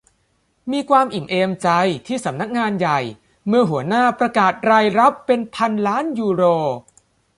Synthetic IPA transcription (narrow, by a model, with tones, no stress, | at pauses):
miː˧kʰwaː˧mʔi˨˩mʔeː˧mt͡ɕa˧jt̪ʰiː˥˩sa˩˦mna˦˥k̚ŋaː˧nja˨˩j | mɯ˥˩ɐɦu˩˦ɐnaː˥˩pɾa˧kaː˨˩t̪̚ɾaː˧jɾa˦˥pːe˧npʰa˧nlaː˦˥njuː˧ɾoː˧